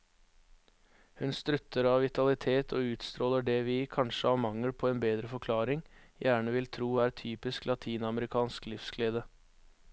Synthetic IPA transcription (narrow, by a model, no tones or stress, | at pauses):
hʉnst̪ɾʉt̪ːəɾɑːʋʋɪt̪ɑlɪt̪ʰeːt̪ʰoːʉːt̪st̪ɾoːləɖɛːʋiːkʰɑnʃəɑːʋmɑŋəlpʰoːeːnbeːd̪ɾəfɔɾkʰlɑːɾɪŋjæːɳəʋɪlt̪ʰɾuːæːɾt̪ʰyːpɪsklɑt̪ʰiːnɑməɾɪkʰɑːnsklɪfskleːd̪ə